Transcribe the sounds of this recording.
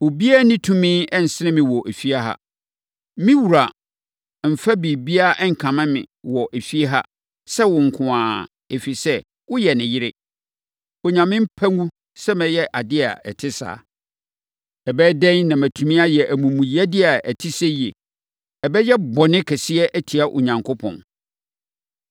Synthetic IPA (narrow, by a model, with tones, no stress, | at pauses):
o˨bi˦a˦nɪ̃˦tʰũ˦mɪ̃˦ɛ˦n̩˨sɪ˦nɪ̃˦mɪ̃˨wɔ˨ʔe˨fi˦a˦ɦa̰˦ | mɪ̃˦wu˨ɾa˨ | m̩˨fa˦bi˨bi˦a˦ʔɛ˦ŋ̩˨kʰã˨mɪ̃˦mɪ̰̃˨wɔ˨ʔe˨fi˦e˦ɦa̰˦ | sɛ˦wʊ̃˨ŋ̩˨kʷʰʊ̃˨ãː˨ | e˨fi˨sɛ˦ | wʊ˦jɛ˨nɪ̃˨jɪ˦ɾɪ˦ | o˨ɲã˨mɪ̃˦m̩˦pʰæ˦ŋũ˦ | sɛ˦mɛ̃˨jɛ˦ʔa˨dɪ˦a̰˨ɛ˨tʰɪ˦sa̰ː˨ | ɛ˨bɛ˦dɛ̃˦nnã˨mæ˨tʰũ˨mĩ˦a˦jɛ˨ʔæ˨mũ˨mũ˨jɛ˦dɪ˦a˨æ˨tʰɪ˦sɛ˦je˨ | ɛ˨bɛ˦jɛ˦bɔ˨nɪ̃˦kʰɛ˨sɪ˦ɛ˦ʔæ˦tʰi˨a˦ʔʊ̰˨ɲã˨ŋkʰʊ˦pʰɔ̰̃˨n